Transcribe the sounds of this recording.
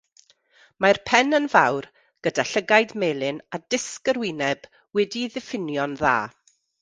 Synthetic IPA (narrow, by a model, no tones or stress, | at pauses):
marpʰɛnənvawr | ɡ̥ədaɬəɡajdmeːlˠɨnadɪskəɾwɪnɛb̥ | wɛdiðɪfɪnjɔnða̰ː